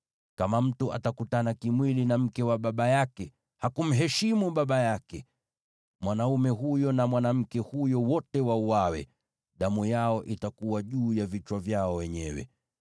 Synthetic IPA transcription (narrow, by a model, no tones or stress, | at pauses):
kamam̩tuʔa̰takutanakimwilinam̩kɛwaɓaɓajakɛ | hakum̩ɦɛʃimuɓaɓajakɛ | mwanaumɛɦujɔnamwanam̩kɛhujɔwɔtɛwauawɛ̰ | ɗamujaɔʔitakuwaʄuːjavit͡ʃwavjaɔwɛɲɛwɛ̰